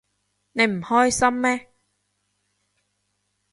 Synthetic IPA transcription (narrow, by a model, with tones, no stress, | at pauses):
ne˨˧jm̩˨˩hɔː˥jsɐ˥mːɛː˦˥